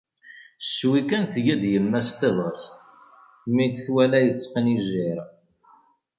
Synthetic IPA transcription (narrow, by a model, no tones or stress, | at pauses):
ʃwikænθjæd̪jəmːæst̪æðˤəst̪ | mid̪θwælæjət͡sːqəniʒɪɾ